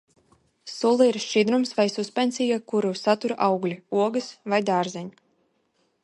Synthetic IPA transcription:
sulˠɨiɾʃid̪ɾumsvajsuspʲɛnsʲijakuɾusat̪uɾʔawɡlʲiuɔɡɨsvajd̪aːɾzɛɲu

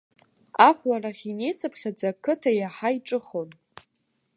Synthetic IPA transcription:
aχʷlaraχʲinejt͡sʰɨpʰχʲad͡zakʰɨtʰajaħaiʈ͡ʂʼɨχo̞n

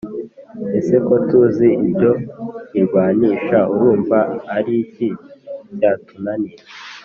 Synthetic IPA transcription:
ese̞ko̞tuziibɟo̞iɾɡwaːniːʃauɾuːɱvaːɾiciɟaːtunaniɾe

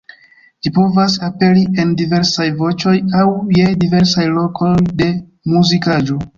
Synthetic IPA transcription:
d͡ʒipo̞vas̬ape̞lie̞ndive̞ɾsajvo̞t͡ʃo̞jawjedive̞ɾsajlo̞kʰo̞jde̞ | muzikad͡ʒo̞

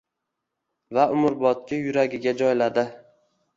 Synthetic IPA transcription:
vaʔʊmʊɾbɒt̪̚kʲɪjʊɾaɡʲɪɡʲad͡ʒɒjlad̪ɪ

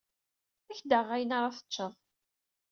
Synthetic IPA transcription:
æçd̪əʁæjənaɾˤɑθə̥ːəðˤ

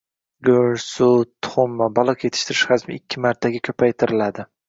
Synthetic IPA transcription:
ɡoɾsʊt̪ʰːʊ̥χʊmːabɒlˠɨqʰjet̪ʰɪ̥ʃt̪ʰɪɾɪʃχazmɪɪkʲʰːɪmaɾt̪ʰːaɡʲɪkʲʰɵpʰajt̪ʰɪɾɪlad̪ɪ

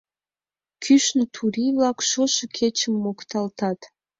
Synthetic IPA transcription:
kʰyʃnət̪ʰuɾiβlɑkʃoʃə̆kʰet͡ɕəmːokt̪ɑlt̪ɑt̪

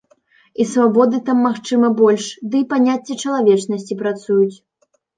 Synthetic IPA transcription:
isvabɔd̪ɨt̪amːaxt͡ʂɨmɐbɔlʲʂd̪ɨipanʲat͡sʲːɛt͡ʂɐlˠavʲɛt͡ʂnɐsʲt͡sʲipɾat̪sujut͡sʲ

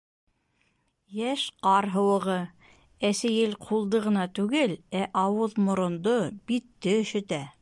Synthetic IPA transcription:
jæʃqɑɾɦɤ̆wɤ̆ʁɤ | æsæjɘlqʰulˠd̪ɤʁɤ̆nɑt̪ʉɡɘlæʔɑwɤðmŏɾŏnd̪obit̪ːɘɵ̆ʃɘ̆t̪æ

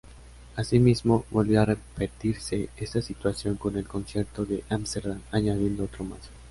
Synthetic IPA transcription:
asimizmo̞bolβjoarepet̪iɾse̞est̪asit̪wasjo̞ŋko̞ne̞lko̞nsje̞ɾt̪o̞ðe̞ʔamst̪eɾðamaɲaðje̞nd̪oot̪ɾo̞mas

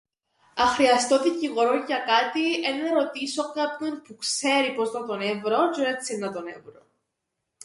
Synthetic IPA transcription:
ɐxɾiɐst̪o̞ðiciɣo̞ɾoʝɐkɐt̪ienːɐɾo̞t̪isokɐpɲonpukse̞ɾipo̞znɐt̪o̞nevɾod͡ʒoɾet͡sinːɐt̪onḛvɾo

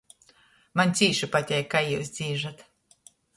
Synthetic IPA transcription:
manʲsʲiːʃɨpat̪ʲɛjkajuːsd̪z̥ʲiːʒat̪

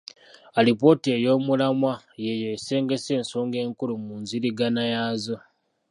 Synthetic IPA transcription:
alipo̞tie̞jo̞ːmulamwa | jejese̞ːŋɡe̞se̞ːnsoːŋɡe̞ːŋkulumuːnziɾiɡanajaːzo̞

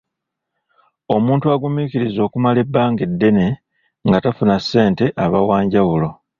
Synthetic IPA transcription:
o̞muːntuaɡumiciɾizo̞ːkumale̞bːaːŋɡedːe̞ne̞ | ŋɡatafunasːe̞ːnte̞ʔaβawaːɲɟawulo̞

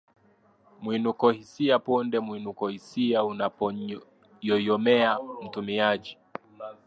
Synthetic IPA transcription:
mwinukɔhisiapɔndɛmwinukɔhisiaunapɔ | jɔjɔmɛam̩tumiad͡ʒi

